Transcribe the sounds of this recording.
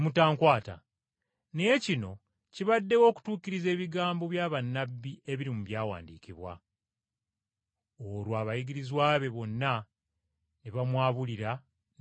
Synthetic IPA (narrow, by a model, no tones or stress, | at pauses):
mutaːŋkwaːta̰ | nejecino̞ | ciβadːe̞wo̞ːku̥tuːkiɾize̞ːβiɡaːmbo̞βjaːβanːabːie̞βiɾimuβjaːwa̰ːndiːciβwa̰ | olwaːβajiɡiɾizwaːβe̞βo̞nːa | neβamwaːβuliɾa